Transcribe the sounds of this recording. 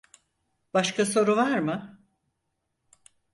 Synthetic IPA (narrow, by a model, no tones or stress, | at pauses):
b̥aʃkaso̞ɾuvaɾmɯ